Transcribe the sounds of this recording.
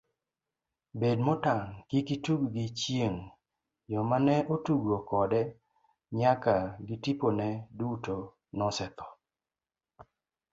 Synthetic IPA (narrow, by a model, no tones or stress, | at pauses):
bedmɔtaŋkikituɡɡɪt͡ʃjeŋ | jɔmanɛʔotuɡokɔdɛ | ɲakaɡɪtiponɛduto | nɔsɛt̪ɔ̥